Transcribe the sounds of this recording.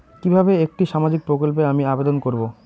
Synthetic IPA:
kibʱabeek̚ʈiʃamad͡ʑik̚pɾokolpeamiabed̪onkoɾbo

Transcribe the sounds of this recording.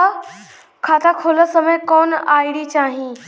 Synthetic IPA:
kʰaːt̪ʰakʰoːləsɐməjkɔːnaːiɽit͡ɕaːɦĩː

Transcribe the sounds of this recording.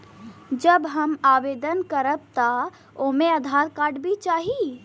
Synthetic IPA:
d͡ʒəbɦəmabed̪ənkəɾəb̚t̪a | omeəd̪ʱaɾkaɖbʱit͡ʃaɦi

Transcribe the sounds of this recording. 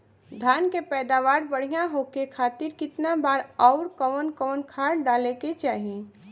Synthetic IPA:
d̪ʱaːnkepɛːd̪aʋaːɾbəɽ̤ijãɦokekʰaːt̪ɪɾkɪt̪nabaːɾɔʊɾkəʋənkəʋənkʰaɾɖaːleket͡ʃaːɦi

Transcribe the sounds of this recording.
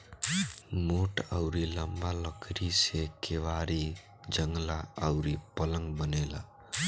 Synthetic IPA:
moʈəwɾiləmbaləkʰɾisekeʋaɾi | d͡ʒəŋɡlaəʊɾipələŋɡbənela̰

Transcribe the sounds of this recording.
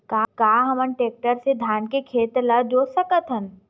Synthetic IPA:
kaːkaːɦɐmənʈeːk̚ʈəɾsed̪ʱaːnkekʰeːt̪ləd͡ʒoːsəkət̪ɦən

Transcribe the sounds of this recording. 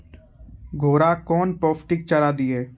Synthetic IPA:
ɡʱoːɾakɔːnpɔːfʈɪk̚t͡ʃəɾaːd̪ieː

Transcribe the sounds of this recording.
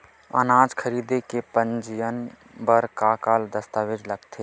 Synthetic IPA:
ə̰naːd͡ʒkʰəɾiːd̪ekepə̃nd͡ʒɪjən | bəɾkaːkaːld̪əst̪aːʋed͡ʒləɡt̪ʰeː

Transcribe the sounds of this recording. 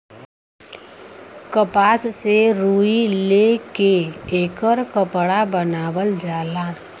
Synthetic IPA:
kəpaːsseɾuːilekeeːkəɾkəpɽabənaːwəld͡ʒaːlaː

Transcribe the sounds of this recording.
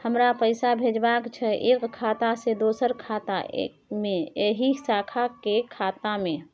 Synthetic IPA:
həmɾapəɪsabʱed͡ʒbakt͡ʃʰɛʔekʰːat̪ased̪osəɾkʰat̪a̰ḛkmeeɦisakʰakekʰat̪amẽ

